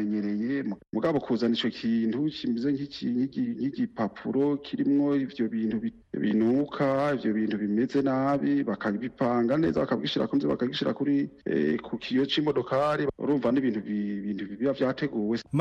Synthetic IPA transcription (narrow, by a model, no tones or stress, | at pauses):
eɲeɾe̞jemmuɡaβo̞kʰuːzanit͡ʃo̞kʰiːntut͡ʃimizeŋhiiŋhiɟiŋhiɟipapʰuɾo̞kʰiɾimŋo̞ivjo̞βiːntuβi | βḭnukʰaivjo̞βiːntuβime̞ze̞naβiβakʰaβipaːŋɡane̞̰ːzaβakaβɡiʃiɾa̰kuniziβa̰kaɡiʃiɾa̰kuɾḭkʰukʰijot͡ʃimodo̞kʰaɾiṵɾuːɱvaniβiːnhuβiβiːnhuβiβjavjaːte̞ɡuːwe